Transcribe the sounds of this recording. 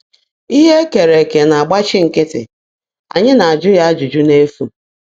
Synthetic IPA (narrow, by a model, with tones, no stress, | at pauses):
i˦ɦe˦ke˨ɾe˨ke˨na˨a˨ɡ͡ba˦t͡ʃɪ˦ŋ̩˨kɪ˦tɪ̰˨ | a̰˨ɲɪ˦na˨a˨d͡ʒʊ˦ja˦a˦d͡ʒu˨d͡ʒu˦ne˦fu˦